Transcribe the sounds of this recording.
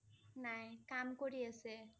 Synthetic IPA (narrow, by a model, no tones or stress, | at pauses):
najkamkoɹiase